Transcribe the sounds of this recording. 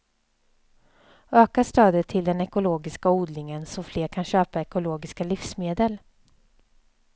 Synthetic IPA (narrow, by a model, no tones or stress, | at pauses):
øːkaʂt̪øːd̪ət̪ʰːɪld̪ɛnɛkʊloːɡɪskauːd̪lɪŋənsɔfleːɾkʰanɕøːpaɛkʊloːɡɪskalɪfsmeːd̪əl